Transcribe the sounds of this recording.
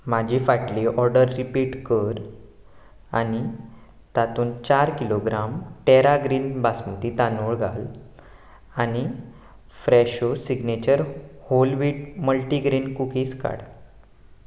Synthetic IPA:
m̤ad͡ʑʱifaʈliʔɔɾɖəɾːipiːʈkəɾ | a̰ni | t̪at̪uːnt͡ɕaɾkiloɡɾamʈeɾaɡɾiːnbasmut̪it̪anoɭɡʱal | añi | fɾɛɕosiɡnet͡ɕəɾholʋiːʈməlʈiɡɾiːnkukiːska̰ɽ

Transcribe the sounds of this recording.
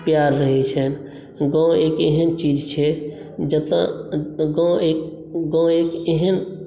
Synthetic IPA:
pjaɾːəɦɛt͡ʃʰən | ɡɔ̃eːkeɦənt͡ʃid͡ʒt͡ʃʰɛ | d͡ʒət̪ã̰ɡõek | ɡõekeɦən

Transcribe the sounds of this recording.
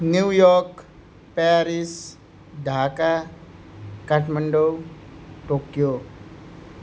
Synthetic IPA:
njuːjɔɾk | paɾis | ɖʱaːka | kaʈʰməɳɖowʈoːkjo

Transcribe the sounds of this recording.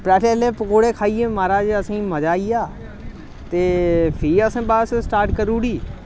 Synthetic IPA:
pɾaːʈʰeːleːpəkoːɽeːkʰaːijẽːmaːɾaːd͡ʒəsĩːməd͡ʒaːijaː | t̪eːpʰiːəsẽːbaːssʈaːɾʈkəɾuːɽiː

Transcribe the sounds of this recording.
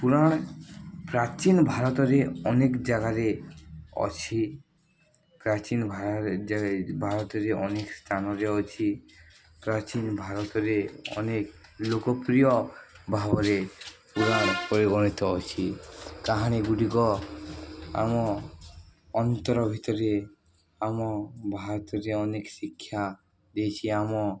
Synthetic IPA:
puɾaɽ̃pɾat͡ʃinbʱaɾɔt̪ɔɾeɔnekd͡ʒaɡaɾe | ɔ̰t͡ʃʰi | pɾat͡ʃinbʱaabʱaɾɔt̪ɔɾeʔɔnekst̪ʰanɔɾeɔt͡ʃʰi | pɾat͡ʃinbʱaɾɔt̪ɔɾeɔ̰neklokɔpɾijɔbʱabɔɾepuɾapɔɾeɡɔɽ̃it̪ɔɔt͡ʃʰikaɦaɽ̃eɡuɖiɡɔ | a̰mɔ | ɔnt̪ɔɾɔbʱit̪ɔɾe | amɔbʱaɾɔt̪ɔɾeɔneksikʰːja | d̪ejt͡ʃʰiamɔ

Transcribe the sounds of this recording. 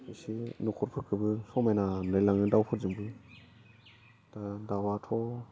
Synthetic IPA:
isinukʰɔɾpʰɯkʰɯbɯsɔmajnanɯjlaŋɯdawpʰɔɾzɯŋbɯ | d̥adawatʰɔ

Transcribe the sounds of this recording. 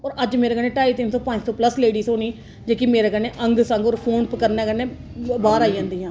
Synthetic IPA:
ɔːɾəd͡ʒmeːɾeːkəɾneːʈaːiːt̪ɪnsɔːpəɲd͡ʒsɔ̃ːpləsleːɽiːsoːniː | d͡ʒeːkimeːɾeːkəɾneːʔəŋɡsə̃ŋɡɔːɾpʰoːnpəkəɾnẽːkəɾneːbaːɾaːiːd͡ʒãːnd̪iːɦãː

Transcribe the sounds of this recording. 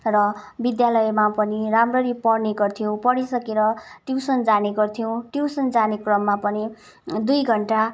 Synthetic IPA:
rʌbid̪jalʌjmapʌniɾamrʌɾipʌɽneɡʌrt̪ʰjow̃pʌɽisʌkeɾʌʈjuwsʌnd͡zaneɡʌrt̪ʰijõw̃ʈjusʌnd͡zanekrʌmːapʌni | d̪ujɡʱʌɳʈa

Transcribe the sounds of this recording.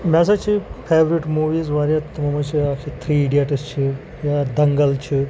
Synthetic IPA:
masat͡ɕifeʋɾiʈmuʋiːzʋaɾjat̪məmat͡ɕiakʰit̪ʰɾiːɖiaʈəst͡ɕʰi | jad̪əŋɡəlt͡ɕʰi

